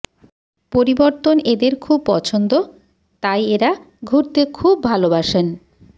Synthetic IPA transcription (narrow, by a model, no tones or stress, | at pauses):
poɾiboɾt̪oned̪eɾkʰub̚pɔt͡ɕʰond̪o | t̪ajeɾa | ɡʱuɾt̪ekʰubʱalobaʃen